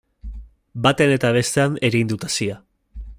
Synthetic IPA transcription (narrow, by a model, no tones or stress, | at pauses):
bat̪eane̞t̪aβ̞e̞st̪e̞ane̞ɾind̪ut̪asia